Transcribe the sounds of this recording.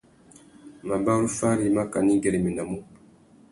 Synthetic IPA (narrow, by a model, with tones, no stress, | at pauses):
ma˨ba˦ɾu˦fa˦ɾi˨˦ma˦ka˨ni˦ɡɛ˨ɾe˨mi˨na˨mu˦